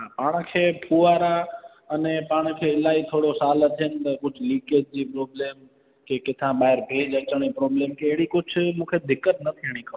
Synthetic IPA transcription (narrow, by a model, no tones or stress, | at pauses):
ɦãpaːɽ̃kʰeːpʰuːaːɾa | ɐnẽpaːɽ̃kʰeːɪlaːit̪ʰoːɽosaːlət̪ʰijənɪ̆t̪ɐkʊd͡ʑʱliːkeːd͡ʒd͡ʑiːpɾoːbleːm | kekɪt̪ʰãɓaːɦɪɾbʱeːd͡ʒɐt͡ɕəɽ̃epɾɔːbleːmkeːɦɽikʊd͡ʒʱʰmũːkʰed̪ʱɪkːət̪̚nɐt̪ʰiəɽ̃ĩkʰə